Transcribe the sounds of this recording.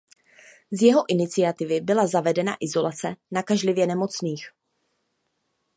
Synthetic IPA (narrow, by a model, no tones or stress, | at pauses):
zjɛɦo̞ʔɪnɪt͡sɪjat̪ɪvɪbɪlazavɛdɛna̰ʔɪzo̞lat͡sɛnakaʒlɪvjɛnɛmo̞t͡sniːx